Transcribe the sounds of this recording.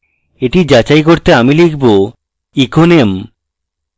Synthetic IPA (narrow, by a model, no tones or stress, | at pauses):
eʈid͡ʑat͡ɕajkoɾt̪eamilikʰbo | ikonem